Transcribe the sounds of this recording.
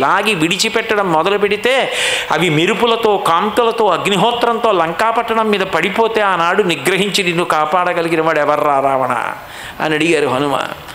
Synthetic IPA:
laːɡiʋiɽit͡ʃipɛʈːɐɽɐmːɔd̪ɐlupeɽit̪e̞ːɐ̰ʋimiɾupulɐt̪o̞ːkaːmʈulɐt̪o̞ːɐɡniɦɔːt̪ɾɐnt̪o̞ːlɐŋkaːpɐʈːɐɳɐmːiːd̪ɐpɐɽipoːt̪e̞ːaːnaːɽuniɡɾɐɦiɲt͡ʃid̪inːukaːpaːɽɐɡɐliɡinɐʋaːɽɛʋɐɾːaːɾaːʋɐɳɐ̰ː | nɐɽiɡaːɾuɦɐnuma̰ː

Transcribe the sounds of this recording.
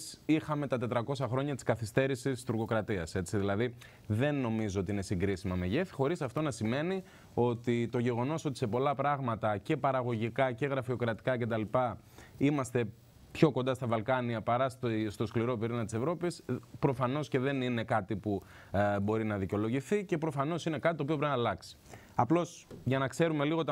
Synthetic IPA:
sixɐme̞t̪ɐt̪e̞t̪ɾɐko̞sɐxɾo̞ɲɐt̪i̥skɐθist̪e̞ɾisist̪uɾɣo̞kɾɐt̪iɐse̞t͡siðilɐði | ðe̞nːo̞mizoo̞t̪iine̞siŋɡɾisimɐme̞ʝeθi̥xo̞ɾisɐft̪o̞nɐsime̞ni | o̞t̪it̪o̞ʝe̞ɣo̞no̞so̞t̪ise̞po̞lɐpɾɐɣmɐt̪ɐce̞pɐɾɐɣo̞ʝikɐce̞ɣɾɐfio̞kɾɐt̪i̥kɐce̞t̪ɐlipɐ | imɐst̪e̞ | pço̞ko̞nd̪ɐst̪ɐvɐlkɐniɐpɐɾɐsst̪o̞skliɾo̞piɾinɐt̪i̥se̞vɾo̞pispɾo̞fɐno̞sce̞ðe̞nine̞kɐt̪ipu | bo̞ɾinɐðiceo̞lo̞ʝiθice̞pɾo̞fɐno̞sine̞kɐt̪it̪opioɾpinɐlɐksi̥ | ɐplo̞sʝɐnɐkse̞ɾume̞liɣot̪

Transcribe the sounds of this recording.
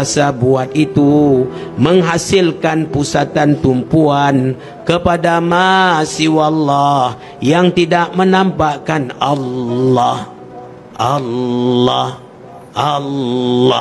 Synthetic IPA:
sabuat̪̚it̪uməŋɦasilkanpusat̪ant̪umpuan | kəpadamasiwalːah | jaŋt̪idaʔmənampakanalːah | ʔalːɔh | ʔalː

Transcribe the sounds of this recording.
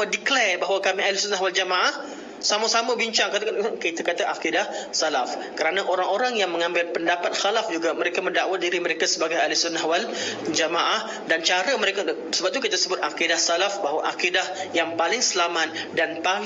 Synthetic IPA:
adiklɛbaɦwakamialisʊnaɦwald͡ʒamaʔah | samasaməbiɲt͡ʃaŋkat̪kit̪akat̪aʔakidahsalaf | kəɾanaʔoɾaŋoɾaŋjaŋmə̃ŋãmbɪlpəndapat̪̚xalafd͡ʒuɡaməɾekaməndaʔwahdiɾiməɾekasəbaɡajalisʊnahwald͡ʒamaʔah | dant͡ʃaɾəməɾeka | səbap̚t̪ukit̪asəbʊt̪̚ʔakidahsalafbaɦwaʔakidahjaŋpalɪŋsəlamat̪̚danpa

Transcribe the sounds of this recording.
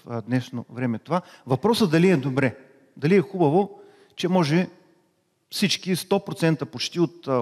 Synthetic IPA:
d̪nɛʃnovɾɛmɛt̪ovavɐpɾɔsəd̪ɐliɛd̪obɾɛ | d̪ɐliɛxubɐvo | t͡ʃɛmɔʒɛ | fsit͡ʃkist̪ɔpɾot̪sɛnt̪əpot͡ʃt̪iot̪

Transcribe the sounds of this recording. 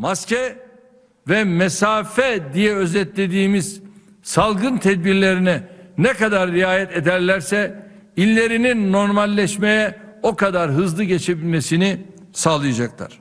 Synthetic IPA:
mascɛ | vɛmɛsaːfɛd̪ijɛøzɛt̪lʲe̞d̪iːmiz̥ | salˠɡɯnt̪ʰɛd̪̚biɾlʲeɾinɛnɛkad̪aɾːijaːjɛt̪ed̪æɾlʲæɾsɛ | ilʲːe̞ɾininːo̞ɾmalʲːɛʃmejɛokad̪aɾɦɯzlˠɯɟet͡ʃʰe̞bilʲmesini | saːlˠɯjad͡ʒaklˠa̰ɾ̥

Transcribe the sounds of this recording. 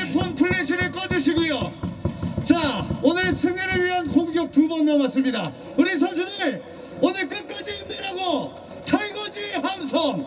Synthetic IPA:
pʰʌnpʰuɭːeɕʰiɾɯɭk͈ʌd͡ʑɯɕ̬ʰiɡujo | t͡ɕaonɯɭsʰɯŋeɾɯɭɥiɦankʰoŋɡjʌk̚tubʌnmʌmas͈ɯmɲida | kɯɾes̬ʰʌd͡ʑʰinɯɭ | onɯɭk͈ɯk͈ad͡ʑiːndeɾaɡo | t͡ɕʰaiɡʌd͡ʑiɦamsʰʌŋ

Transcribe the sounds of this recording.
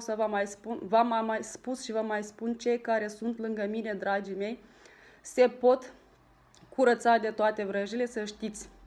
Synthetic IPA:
səvəmajspunvamamajspusʃivəmajspunt͡ʃe̞jkaɾe̞sunt̪lɨŋɡəmine̞d̪ɾad͡ʒime̞j | se̞po̞t̪ | kʰuɾət̪sad̪e̞t̪oat̪e̞vɾəʒile̞səʃt̪it̪sʲ

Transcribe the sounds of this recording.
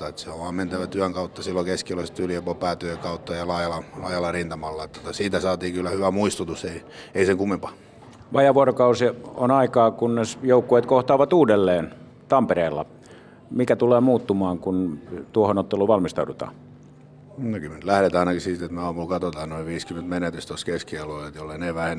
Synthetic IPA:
ɑet̪seoʋʋɑːmment̪æʋæt̪yæŋkɑut̪ːɑsilːokeskiloist̪yliopopæːt̪ykɑut̪ːɑjɑlɑːjɑlɑlɑːjɑlːɑrint̪ɑmɑlːɑet̪ːot̪ɑsiːt̪æsɑːt̪iːkylːæhyʋæmuist̪ut̪useieiseŋkumːimpɑ | ʋɑjɑʋuorokɑusio̰nɑikɑːkunnesjoukːueːt̪koht̪ɑːʋɑt̪uːdelːeːn | t̪ɑmpereːlːɑ | mikæt̪uleːmuːt̪ːumɑːŋkunt̪uohonot̪ːeluʋɑlmist̪ɑudut̪ɑ̰ː | nokymːent̪læhɾet̪ɑinɑkisiːt̪et̪meɑːmulkɑt̪ot̪ɑːnnoiʋiːskyment̪menet̪yst̪oskeskiɑloset̪jolːeneʋæhen

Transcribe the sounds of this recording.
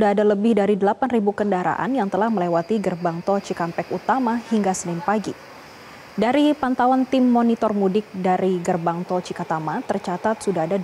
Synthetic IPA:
daadaləbɪhdaɾidəlapanribukəndaɾa̰ʔa̰njaŋt̪əlahməlewat̪iɡərbaŋt̪ɔt͡ʃikampɛkut̪amahiŋɡasənɪnpaɡi | daɾipant̪awant̪ɪmːonit̪ɔrmudɪk̚daɾiɡərbaŋt̪ɔt͡ʃikat̪amat̪ərt͡ʃat̪at̪̚sudaɦada

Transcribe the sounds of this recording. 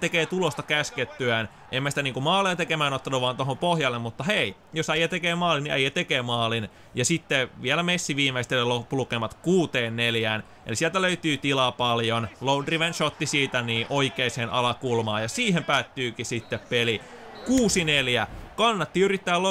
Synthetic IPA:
t̪ekeːt̪ulost̪ɑkæsket̪ːyæn | ʔemːæsi̥t̪æniːŋkumɑːleːt̪ekemæːnot̪ːɑnuʋɑnt̪ohompohjɑlːemmut̪ːɑhei | josæjæt̪ekeːmɑːliniʔæ̰jːæt̪ekeːmɑːlin | jɑsit̪ːeʋiælæmesːiʋiːmeist̪elelopːulukeːmɑt̪kuːt̪eːnːeljæːn | ḛlisielt̪æløyt̪yːt̪ilɑpɑljonloudriʋenʃot̪ːisiːt̪æniːʔoikeiseːnɑlɑkulmɑːjɑsiːhempæːt̪ːyːkisit̪ːeppeli | kuːsineljækɑnːɑt̪ːiyrit̪ːæːlo

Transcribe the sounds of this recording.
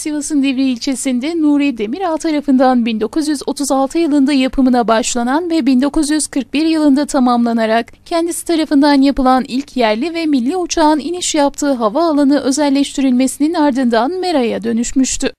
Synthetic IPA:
sivasɯnd̪evɾiːlʲt͡ʃʰe̞sind̪ɛnuːɾid̪e̞miɾalt̪ʰaɾafɯnd̪anbind̪o̞kʰuzjyzo̞t̪ʰuzalˠt̪ʰɯjɯlˠɯnd̪ajapʰɯmɯnabaʃlˠananvɛbind̪o̞kuzjyz̥kʰɯɾk̚biɾjɯlˠɯnd̪at̪ʰamamlˠanaɾak | cʰɛnd̪isi̥t̪ʰaɾafɯnd̪anjapɯlˠanilʲcʰjæɾlʲivɛmilʲːiut͡ʃʰaːniniʃjap̚t̪ʰɯːɦavaːlˠanɯʔø̞zɛlʲːɛʃt̪ʰiɾilʲme̞sininaɾd̪ɯnd̪anme̞ɾajad̪ø̞nyʃmyʃt̪ʰy

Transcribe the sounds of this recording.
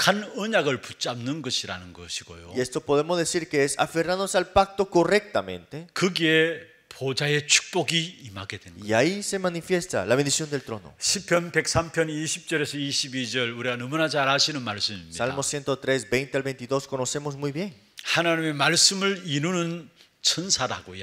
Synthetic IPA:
kʰanɯɲaɡɯɭput͡ɕ͈amnɯnɡʌɕʰiɾa̰nɯnɡʌ̰ɕʰiɡ̥o̰jo̰ie̞st̪o̞po̞ðe̞mo̞zðe̞siɾke̞esa̰fe̞ranðonosalpak̚t̪o̞ko̞re̞k̚t̪amẽ̞̰nt̪e̞kɯɡie | pʰod͡ʑaje̞t͡ɕʰu̥k̚p͈oɡiima̰ɡedweniaise̞manifje̞st̪a̰laβe̞nd̪isjo̞nd̪e̞lt̪ɾo̞no̰ɕʰipʰjʌnpe̞k̚sampʰjʌniɕʰip̚t͡ɕ͈ʌɾe̞sʰʌiɕʰibid͡ʑʌɭuɾiɡanʌmunat͡ɕaɭhaɕʰinɯnmaɭs͈ɯmimːsialmosje̞nt̪o̞t̪ɾe̞sbe̞jnt̪ealβe̞jnt̪iðo̞sko̞no̞se̞mozmujβje̞ŋ | hanaɲime̞maɭsɯmɯɾiɾunɯn | t͡ɕʰʌnsʰaɾa̰ɡojo

